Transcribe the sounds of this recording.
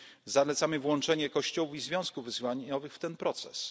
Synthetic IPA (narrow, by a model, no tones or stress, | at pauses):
zalɛt̪samɘvwɔnt͡ʂɛɲɛkɔɕt͡ɕɔwufizvʲjɔ̃w̃skuvvɘzvaɲɔvɘxft̪ɛnpɾɔt̪sɛ̰s